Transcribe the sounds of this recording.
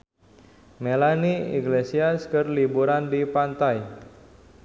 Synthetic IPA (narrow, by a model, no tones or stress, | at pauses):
melaniḭɡlesiaskərlibuɾandipant̪aj